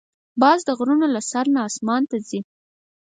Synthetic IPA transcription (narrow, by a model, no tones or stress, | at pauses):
bɑzd̪əɣɾunolasaɾnaːsmɑnt̪azi